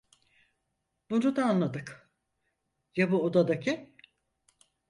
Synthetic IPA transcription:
b̥unud̪aːnlˠad̪ɯk | jabuod̪ad̪acʰɪ

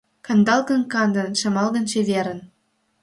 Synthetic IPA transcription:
kɤ̆nd̪ɑlˠɣɤ̆nkɑnd̪ɤ̆nʃɤ̆mɑlˠɣɤ̆nt͡ɕeβʲeɾə̆n

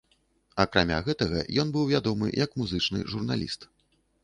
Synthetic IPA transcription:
ɐkɾamʲa̰ɣɛt̪ɐɣɐ̰jɔnbɨwvʲad̪ɔmɨ̰jɐkmuzɨt͡ʂnɨ̰ʐurna̰lʲḭst̪

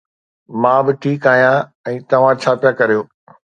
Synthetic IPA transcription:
mãːbɪʈʰiːkaːɦijã | ɛ̃ːt̪ɐʋ̤ãt͡ɕʰaːpjakɐɾijoː

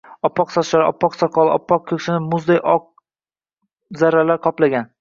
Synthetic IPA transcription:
ɒpːɒqsɒt̪ʃlaɾʔɒ̰pːɒqsɒqʰɒlˠɪʔɒpʰːɒq̚kʰʲɵkʲʃɪnɪmʊzd̪ajʔɒq̚ | zaɾːalaɾqʰɒplaɡʲan

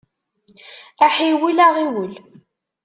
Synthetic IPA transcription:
æħiwilaʁiwəl

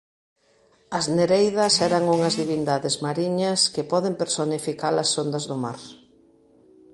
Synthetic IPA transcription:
ɐzneɾejðɐsɛɾɐŋuŋɐzðiβind̪aðɪzmaɾiɲɐskɪpɔðɪmpeɾsonifikalɐsːond̪ɐzðʊmaɾ

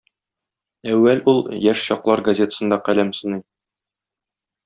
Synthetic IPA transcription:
æwːælulˠjæʃɕɒqlˠɑɾɡɐzʲe̞t̪ə̥sɤ̆nd̪ɑqælæmsɤ̆nɤj

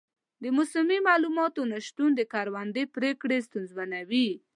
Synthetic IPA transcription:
d̪əmʊsʊmimɑlumɑt̪onaʃt̪und̪əkɑɾwand̪epɾekɽest̪unzwanawi

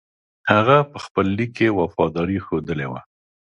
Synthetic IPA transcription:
haɣapəxpəlːikːewafɑd̪ɑɾixod̪əlewa̰

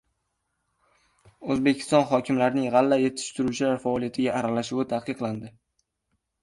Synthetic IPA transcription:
ɵzbekʲʰɪ̥st̪ɒnχɒkʲʰɪmlaɾɪnɪŋʁɑlːaje̞t̪ʰɪ̥ʃt̪ʰʊɾut͡ʃʰɪlaɾfaːlˠijat̪ʰɪɡʲaʔːɾalaʃʊwɪt̪ʰahqɨqlˠand̪ɪ

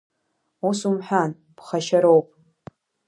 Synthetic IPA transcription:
usumħʷᶣan | b̥χaʃaɾowpʼ

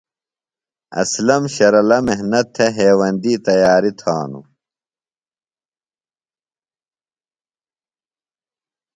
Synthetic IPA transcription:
ɐ̰slɐmɕɐɾɐlɐmeɦnɐt̪ʰːeɦeːwɐnd̪iːt̪ɐjaːɾit̪ʰaːnṵ

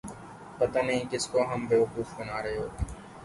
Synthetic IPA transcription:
pɐt̪anɐɦĩkɪskoɦɐmbeːʋɐquːfbɐnaːɾɐɦeɦoː

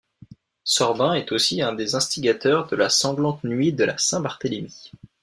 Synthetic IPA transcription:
sɔʁbɛ̃ɛt̪osiɛ̃d̪ezɛ̃st̪iɡʲat̪œʁd̪əlasɑ̃ɡlɑ̃t̪nɥid̪əla̰sɛ̃baʁt̪əlemi

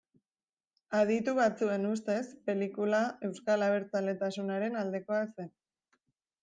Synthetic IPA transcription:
að̞it̪uβat͡sue̞nust̪e̞spe̞likulae̞wskalaβ̞e̞ɾt͡sale̞t̪asunaɾe̞nald̪e̞ko̞ase̞n

